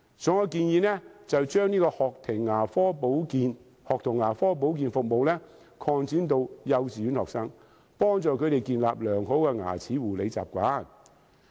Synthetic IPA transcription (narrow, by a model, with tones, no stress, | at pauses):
sɔ˨˥ŋɔ˧kiː˧njiː˨˧nɛ˥t͡sɐ˨wt͡ʃœː˥ŋniː˥kɔː˧hɔː˨k̚t̪ʰɪ˨˩ŋːaː˨˩fɔː˥po˨˥wkiː˨˧n | hɔː˨k̚t̪ʰʊ˨˩ŋːaː˨˩fɔː˥p̬o˨˥wk̬iː˨˧nfʊ˨k̚mo˨wlɛː˥ | kʰɔː˧ŋt͡siː˨˥nt̪̬o˧wjɐ˨˧wt͡siː˨˩y˨˥nhɔː˨ksɐ˥ŋ | pɔː˥ŋt͡sɔː˨kʰɵ˧ɾe˨jkiː˧nla̰ː˨p̚lœː˨˩ŋɦo˨˥wkɛː˧ŋa̰ː˨˩t͡sʰiː˨˥wuː˨˩le˨˧jt͡sa̰ː˨p̚kʷaː˨˥n